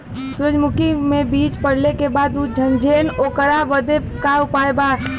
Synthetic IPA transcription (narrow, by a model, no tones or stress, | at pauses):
sʊɾəd͡ʒmʊkimẽbiːt͡ʃpəɽ̤lekebaːd̪ud͡ʒʱənd͡ʒʱeːloːkəɾaʋəd̪e | kaʊpaːebaː